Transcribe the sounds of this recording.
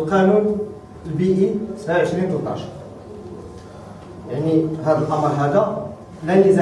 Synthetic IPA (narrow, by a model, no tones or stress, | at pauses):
lqænun | əlbiʔisəbʕaʕəʃɾint̪ot̪ːˤɑ̰ʃ | jaʕniɦæd̪əlʔɑməɾˤɦæd̪æ | lænəz